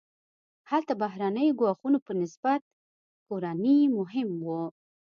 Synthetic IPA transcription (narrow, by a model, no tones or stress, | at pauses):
halt̪abaɦɾanəjɡwɑxunopənɪsb̥at̪̚ | koɾanimʊɦɪmwu